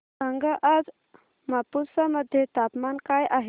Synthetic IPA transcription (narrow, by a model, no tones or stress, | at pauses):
əŋɡʱəʔad͡z | mapusaməd̪ʱːjet̪apmankajʔaɦ